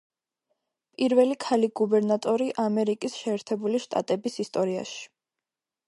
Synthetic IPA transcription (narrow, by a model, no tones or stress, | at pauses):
pʼiɾvɛlikʰaliɡubɛɾnat̪ʼɔɾiʔamɛɾikʼisʃɛːɾt̪ʰɛbuliʃt̪ʼa̰t̪ʼɛbisist̪ʼɔɾia̰ʃi̥